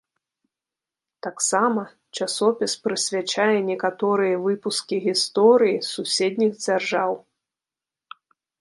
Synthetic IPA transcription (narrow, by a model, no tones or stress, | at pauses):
t̪aksamɐ | t͡ʂasɔpʲispɾɨsʲvʲat͡ʂajɛnʲɛkat̪ɔɾɨjɐvɨpuskʲiɣʲist̪ɔɾɨjisusʲed̪ʲnʲiɣd͡zʲarʐaw